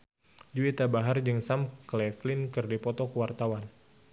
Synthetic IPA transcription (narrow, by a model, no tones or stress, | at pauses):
d͡ʒuit̪abaɦard͡ʒɨŋsamklɛflɪnkɨrdipɔt̪ɔkəwart̪awan